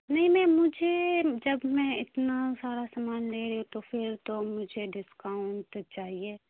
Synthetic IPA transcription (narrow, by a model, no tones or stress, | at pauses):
nɐɦĩmɛ̃ːmʊd͡ʒʱed͡ʒɐbmɛ̃ɪt̪nasaːɾasamaːnleːɾɐut̪ofʰɪɾt̪omʊd͡ʒʱeɖɪskaːʊɳʈt͡ʃaːɦieː